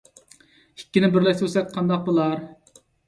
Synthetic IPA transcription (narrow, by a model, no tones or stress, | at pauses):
ikʲːinɪbɪɾlɛsøsɛk̪̚ʲqʰɑnd̪ɑq̚bolˠɑɾ